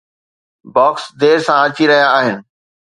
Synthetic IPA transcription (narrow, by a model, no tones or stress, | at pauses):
bɔːksd̪eːɾsãɐt͡ɕiɾɐɦijaːɦɪnɪ̆